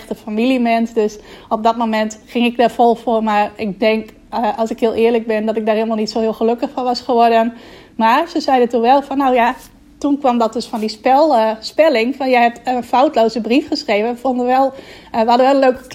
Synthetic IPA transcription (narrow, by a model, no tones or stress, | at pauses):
xtəfamilˠimɛnsdøsop̚dɔtmomɛntχɪŋɪk̚daɹfolˠfoːrmaɹɪk̚dɛŋk | ʔɑlˠsɪkɦhɪəlˠɪːərlək̚bɪndɔtɪk̚daːrhɪːlˠmalˠnitsoːhɪːlˠxəløkəxfɔnʋɑsχəʋɔɹdən | marsəsɛjdətunʋɛlˠfɔnːowja | tunkʋɑmdɔt̚døsfɔndispɛlˠspɛlɪŋfɔnjɛjɦɛp̚tənfawtlowzəbrifχəsχrejvənʋəfondəʋɛlˠʋəhɑdənʋɛlˠənløɥk